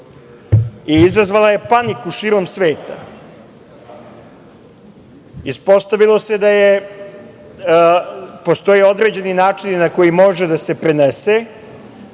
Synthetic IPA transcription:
iizazʋalˠaje̞panikuʃiːɾo̞msʋeːt̪a | ispo̞st̪aʋilˠo̞se̞d̪aje | po̞st̪o̞jeo̞d̪ɾed͡ʑe̞ninaːt͡ʂinnako̞jimo̞ʒed̪ase̞pɾenese

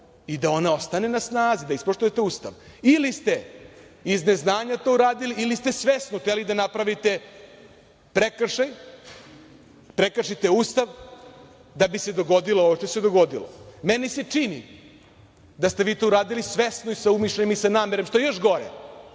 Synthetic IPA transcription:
id̪ao̞nao̞st̪ane̞nasnaːzid̪aispoʃt̪ujet̪e̞uːst̪a̰ʋilist̪e̞ | izne̞znaːɲat̪o̞uɾaːd̪iliʔːlist̪e̞sʋesnot̪elid̪anapɾaʋit̪e̞ | pɾekr̩ʃaj | pɾekrʂit̪e̞uːst̪aʋ | d̪abise̞d̪o̞ɡo̞d̪ilˠooʋoʃt̪ose̞d̪o̞ɡo̞d̪ilo̰menise̞t͡ʂinḭ | d̪ast̪e̞ʋiːt̪ouɾaːd̪ilisʋe̞snoisaumiʃleɲemisanaːmeɾemʃt̪o̞jejo̞ʃɡo̞ɾḛ

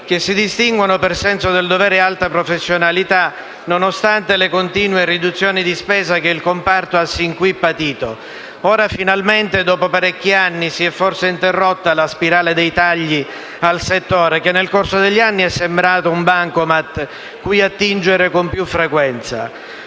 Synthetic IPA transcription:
k̟esːid̪ist̪iŋɡwanopersɛnsod̪eld̪ovɛːɾealt̪apɾofesːjonalit̪a | nonost̪ant̪elekont̪iːnwerid̪ut̪sːjoːnid̪ispɛːzakeilkompart̪oasːiŋkwipːat̪iːt̪o | oːɾafinalment̪ed̪ɔːpopaɾɛkːianːisiɛfːorseint̪erːot̪ːalaspiɾaːled̪ejt̪aʎːi | alset̪ːoːɾekenːelkorsod̪eʎːanːiɛsːembɾaːt̪oumbaŋkomat̪ː | kujat̪ːind͡ʒeɾekompjufːɾekwɛnt̪sa̰

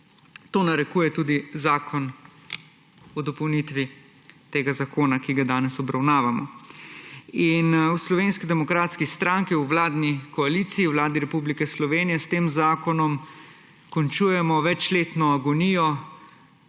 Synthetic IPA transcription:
t̪oːnaɾɛkuːjɛt̪uːd̪izaːkʰɔn | ɔd̪ɔpɔwnit̪ʋi | t̪eːɡazakoːnakiɡad̪aːnɛsɔbɾawnaːʋamɔ̰ | inwslɔʋeːnskid̪ɛmɔkɾaːt̪skist̪ɾaŋkiuwlaːd̪nikɔalit̪siːwlaːd̪iɾɛpublikɛslɔʋeːnijɛst̪eːmzaːkɔnɔm | kɔnt͡ʃuːjɛmɔʋɛt͡ʃleːt̪nɔaɡɔniːjɔ

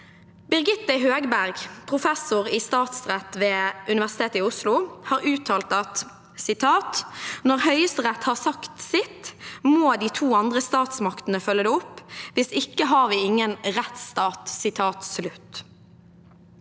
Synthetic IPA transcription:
bɪʁɡɪt̪ːəɦøːɡbæʁɡpʰʁʊfɛsʊʁiːst̪ɑːt̪sʁɛt̪ʋeːʉnɪʋæʁsɪ̥t̪ʰeːt̪əɪʊslʊhɑːʁʉːt̪ʰɑːlt̪ɑt̪ | sɪt̪ʰɑːt̪nɔʁhœʏəst̪əʁɛt̪hɑːʁsɑkt̪sɪt̪moːd̪iːt̪ʰuːɑnd̪ʁəst̪ɑːt̪smɑkt̪ənəfœlːəd̪ɛːʊpːʋɪsɪkːəɦɑːʁʋiːɪŋːənʁɛt̪st̪ɑːt̪sɪt̪ʰɑːt̪slʉt̪

